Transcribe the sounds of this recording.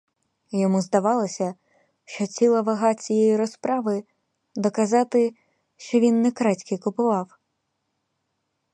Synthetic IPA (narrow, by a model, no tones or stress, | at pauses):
jɔmuzd̪ɐʋɑlˠɔsʲɐ | ʃt͡ʃɔt͡sʲilˠɐʋɐɦɑt͡sʲijɛjiɾɔspɾɑʋɪ | d̪ɔkɐzɑt̪ɪ | ʃt͡ʃɔʋʲinːɛkɾɑtʲkɪkʊpʊʋɑw